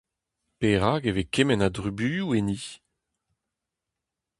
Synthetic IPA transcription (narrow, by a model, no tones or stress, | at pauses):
peʁaːɡevekemɛnadʁybyːjueni